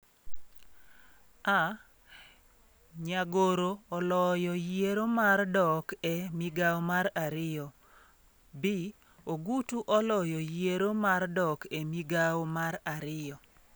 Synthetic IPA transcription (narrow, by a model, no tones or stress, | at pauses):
a | ɲaɡoɾoːlɔjɔjeɾomardɔkɛmiɡawomaɾaɾɪjɔ | bi | oɡutuʔɔlɔjɔjeɾomardɔkɛmiɡawmaɾaɾɪjɔ